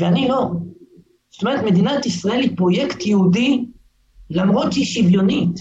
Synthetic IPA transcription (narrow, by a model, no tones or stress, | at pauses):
veanilo̞ | zot̪omeʁet̪me̞d̪inat̪isʁaelipʁo̞jekt̪jehud̪i | lamʁotiʃivjo̞nit̪